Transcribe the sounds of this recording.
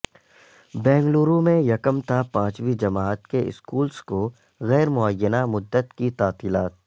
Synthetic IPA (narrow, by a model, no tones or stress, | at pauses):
bɛ̃ːŋɡluːɾũmẽjɐkəmt̪ʰapãːt͡ʃwid͡ʒɐmaːət̪keɪ̰skuːlsko | ɣɛːɾmʊəjːənamʊd̪ːət̪kit̪aːt̪iːlaːt̪̚